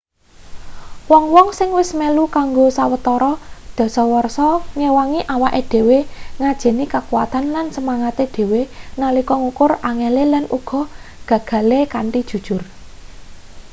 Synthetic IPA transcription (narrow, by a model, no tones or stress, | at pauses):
wɔŋwɔŋsɪŋwɪsmelukaŋɡosawət̪ɔɾɔd̪̥ɔ̤sɔwɔrsɔŋewaŋiʔawaʔeɖ̪̥e̤weŋad̥ʒ̥ɛ̤nikakuwat̪anlansəmaŋat̪eɖ̪̥e̤wenalikɔŋukʊraŋɛlelanʔuɡ̥ɔ̤ | ɡ̥a̤ɡ̥a̤lekaɳʈid̥ʒ̥ṳd̥ʒ̥ʊr